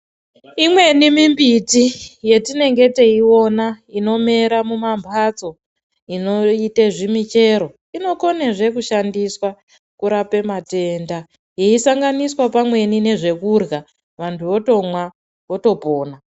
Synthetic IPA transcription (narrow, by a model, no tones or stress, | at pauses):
imwe̞nimimbitije̞tine̞ŋɡe̞te̞iwo̞naino̞me̞ɾamumambʱat͡so̞ | ino̞iteʐimit͡ʃe̞ɾo̞ | ino̞ko̞neʐe̞kuʃandiswa | kuɾape̞mate̞nda | jeisaŋɡaniswapamwe̞nine̞ʐe̞kurɣa | ʋantʰuʋo̞to̞mwa | ʋo̞to̞poːna